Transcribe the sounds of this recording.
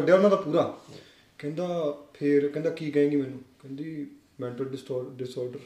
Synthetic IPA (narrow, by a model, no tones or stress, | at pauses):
kəɖejaːɔːɾnãːd̪aːpuːɾaː | kɛ̃ːnd̪aːpʰɪɾkɛ̃ːnd̪aːkiːkəẽːɡiːmɛːnũːkɛ̃ːnd̪iː | mɛ̃ːɳʈəlsːɖɪsɔːɾɖəɾ